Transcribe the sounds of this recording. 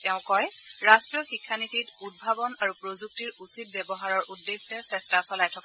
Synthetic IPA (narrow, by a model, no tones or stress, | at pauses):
tɛʊ̃kɔj | ɹastɹɔxikʰːanitʰitud̚bʱabɔnaɹupɹozuk̚tiɹusit̚bɛbɔɦaɹɔɹʔudːesːɛsɛstasɔlajtʰɔka